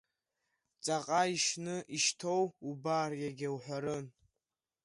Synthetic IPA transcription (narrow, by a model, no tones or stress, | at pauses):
t͡sʼaqʼaiʃnɨʔiʃtʰo̞wubarjaɡʲawħʷaɾɨn